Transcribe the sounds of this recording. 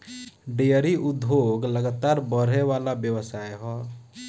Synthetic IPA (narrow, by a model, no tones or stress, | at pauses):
ɖejəɾiʔʊd̪ʱːoɡləɡat̪aːɾbəɾɦeʋaːlabjəwəsaːjɦɔː